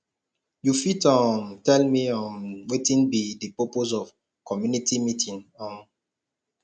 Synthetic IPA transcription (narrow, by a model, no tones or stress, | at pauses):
jufitɔmtɛlmiɔmwetĩnbidəpɔpozɔv | kɔmjunitimitĩnɔ̃m